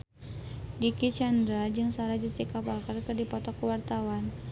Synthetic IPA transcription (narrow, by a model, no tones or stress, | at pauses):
dikit͡ʃandɾad͡ʒɨŋsaɾad͡ʒisikapakarkɨrdipɔt̪ɔkuwart̪awan